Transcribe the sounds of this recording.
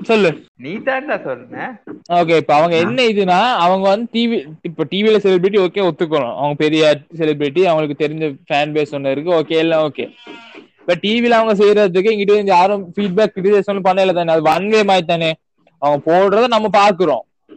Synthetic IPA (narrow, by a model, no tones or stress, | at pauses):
sɔlːɯniːt̪aːntaːsɔlːɯŋɐoːk̬eːɪpːoɐʋɐŋɡɐɛnːɐɪðɯnaːɐʋɐŋɡɐʋɐnd̪ɯʈiːʋiɪpːoːʈiːʋilɐsɛlɪbɾɪʈ̬ːioːkeɔt̪ːɯk̬ːɐɭʊ̰̃ɐ̰ʋɐŋɡɐpɛɾɪjasɛlɪbɾɪʈ̬ːiɐʋɐŋɡɐɭɯkːɯt̪ɛɾɪɲd͡ʒɐfaːnbeːsɔnːɐðɪɾɯk̬ːɯoːkeːɛlːɐ̃oːkḛː | bɐʈʈiːʋilɐɐʋɐŋɡɐs̬ɛjɾɐɯkːɯɪŋɡɪʈːeɪnd̪jaːɾɯ̃fiːɖ̚baːkːɪʈːɪsesɔlːɯpɐnːɐɪlːɐt̪ãːneɐðɯʋɐɳʋeːmaːt̪ːãːne | ɐʋɐŋɡɐpoːɽɾɐðɯnɐmːɐpaːɾkɯɾõ̰ː